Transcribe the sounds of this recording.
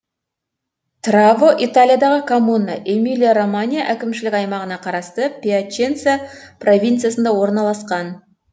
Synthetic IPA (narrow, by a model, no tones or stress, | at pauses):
t̪ravoʔit̪alʲijad̪ɑʁəkʰomunːə̰ʔemilʲijaromanʲijaʔækʲɪmʃɪlɪkʲɑjmɑʁənɑqʰɑɾɑst̪əpʲiat͡ʃent̪sɨjapro̞vʲijnt̪sɨjasənd̪ɑwo̞ɾnɑlˠɑsqɑn